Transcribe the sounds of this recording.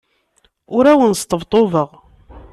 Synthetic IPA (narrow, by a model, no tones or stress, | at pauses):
ʊɾæwənst̪əvt̪ˤovəʁ